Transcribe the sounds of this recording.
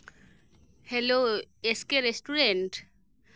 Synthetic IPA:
heloeskeɹesʈuɹenʈ

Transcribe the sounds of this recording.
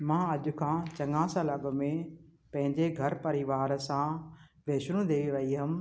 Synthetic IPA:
mãːɐʄʊ̆kʰãːt͡ɕɐŋãːsəlɐɠmẽpɐ̃ɦɪ̃ɲd͡ʑeɡʱɐɾpɐɾiʋaːɾsãʋeːʃɾũd̪eːʋiʋɐiɦɐm̆

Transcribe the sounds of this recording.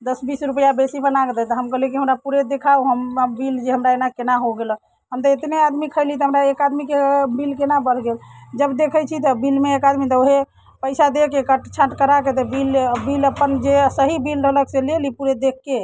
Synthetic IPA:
d̪əsbisɾupəjabesibənaɡd̪ɛt̪ɔɦəmkəɦlɛkiɦəmɾapuɾed̪ekʰauɦəmbild͡ʒeɦəmɾaenakenaɦoɡelə | ɦəmt̪əet̪nead̪mikʰəɪlit̪ɔɦəmɾaekad̪mikebilkenabəɽ̤ɡeld͡ʒəbd̪ekʰəjt͡ʃʰit̪ɔbilmeːkad̪mit̪ɔoɦe | pəɪsad̪ekekəʈt͡ʃʰaʈkəɾaket̪əbilbiləpːənd͡ʒesəɦibilɾəɦləkselelipuɾed̪ekʰːe

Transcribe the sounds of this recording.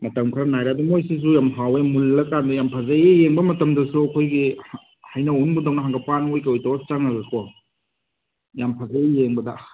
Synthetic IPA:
mɐtɐmkʰɾɐnajɾeɐdumojsis̬ujamɦawemulːɐkandɐjampʰazajejeŋbɐmɐtɐmdɐsuɐkʰojɡi | hajnɐonbudawnɐɦaŋɡɐpanojkawjtawat͡ʃaŋnɐzɐkɔ | jampʰazajjeŋbɐdɐ

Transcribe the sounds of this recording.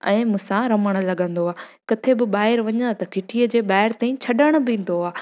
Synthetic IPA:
ɛ̰̃ːmũːsãɾɐməɽ̃ə̆lɐɠə̃nd̪oaːkɐt̪ʰebɪɓaːɦɪɾʋɐɲə̃nd̪at̪ɐkʰɪʈʰiəd͡ʑeːɓaːɦɪɾt̪aːĩt͡ɕʰɐɗəɽ̃ʊ̆bɪĩːn̆d̪oaː

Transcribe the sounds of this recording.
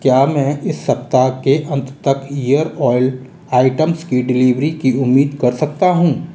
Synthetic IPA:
kjaːmɛ̃ːʔɪsːɐp̚t̪akeʔɐ̃nt̪t̪ɐkʰijəɾɔːɪl | aːɪʈəmskiɖɪliːʋɾikiʊmːiːd̪kɐɾsɐk̚t̪aɦũː

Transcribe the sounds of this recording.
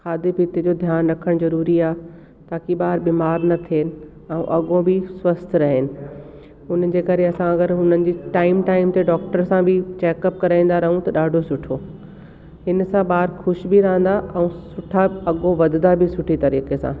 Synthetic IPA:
xaːd̪epiːt̪ed͡ʑoːd̪ʱjaːnɾɐkʰəɽ̃zɐɾuːɾiaː | t̪aːkiɓaːɾbiːmaːɾnɐt̪ʰieːnɪ̆ | ɛ̃ũʔɐɠõbɪswɐst̪ʰɾɐɦɪnɪ̆ | ʊn̤əɪ̆d͡ʑeːkɐɾeɐsãɐɡəɾɦʊnənɪ̆d͡ʑiːʈaːɪmʈaːɪmt̪eɖɔːk̚ʈəɾsãbʱɪt͡ɕɛːkəp̚kɐɾaːĩːnd̪aɾɐɦũt̪ɐɗaːɖʱosʊʈʰoː | hɪn̆sãɓaːɾxʊʃbɪɾɐɦə̃nd̪aʔɛ̃ũsʊʈʰaɐɠõʋɐd̪ʱɪd̪abʱɪsʊʈʰit̪ɐɾiːkesã̰ː

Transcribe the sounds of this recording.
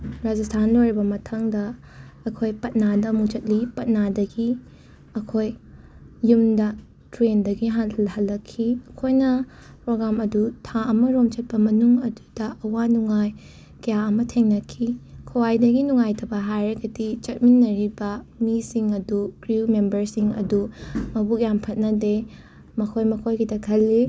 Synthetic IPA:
ɾad͡ʒastʰanlojɾibɐmɐtʰɐŋdɐː | kʰojpɐt̚nadɐmut͡ʃɐt̚lipɐt̚nadɐɡi | ɐkʰojː | umdɐ | tɾendɐɡiɦatʰlhɐlːɐkʰːiɐkʰojnɐ | pɾoɡɾamɐdutʰaɐmɐɾomt͡ʃɐt̚pɐmɐnuŋɐdu̥dɐʔɐwanuŋaj | kɐjaɐmɐtʰeŋnɐkʰːikʰowajdɐɡinuŋajtʰɐbɐɦajɾɐɡɐdit͡ʃɐt̚minːɐɾibɐ | misiŋɐduɡɾimembɐɾsiŋɐ̰dumɐbukjampʰɐt̚nɐde | mɐkʰojmɐkʰojɡidɐkʰɐlːi

